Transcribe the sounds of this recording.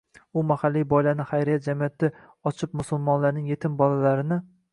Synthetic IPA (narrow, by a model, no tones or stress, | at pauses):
ʊmahalːijbɒjlanɪχajɾijat̪̚d͡ʒamijat̪ʰːa | ɒt͡ʃʰɪp̚mʊsʊlˠmɒnlaɾnɪŋjet̪ʰɪmbɒlalaɾɪnɪ